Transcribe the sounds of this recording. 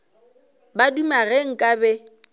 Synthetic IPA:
badumaɣeŋ̩kʼabɛ

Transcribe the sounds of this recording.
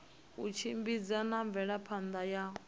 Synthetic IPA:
ut͡ʃʰimbid͡zanaɱb̪vɛɺapʰand̪aja

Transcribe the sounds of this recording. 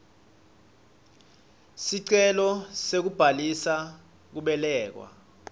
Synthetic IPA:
siǀɛlɔsek̬ub̥ʱalisa | k̬uɓɛlɛːk̬wa̰

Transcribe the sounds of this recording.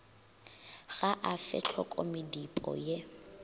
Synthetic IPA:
ɣaʔafɪ̰t͡ɬʰɔkʼɔmɪdipʼɔ̰je

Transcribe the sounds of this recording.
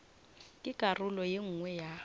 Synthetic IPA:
kʼɪkʼarʊlɔjeŋ̩ŋwɛja

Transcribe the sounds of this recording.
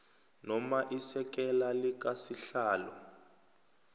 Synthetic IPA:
nɔmaʔisɛk̬ɛlalik̬asiɬaːlɔ

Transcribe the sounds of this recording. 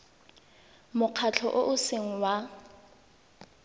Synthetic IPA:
mʊq͡χʰat͡ɬʰɔ̰ʔʊʔʊseŋ̩wa

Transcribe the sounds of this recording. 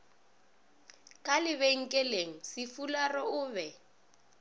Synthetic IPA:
kʼalɪβeŋ̩kʼɛleŋ̩sɪfularɔʊːβɛ

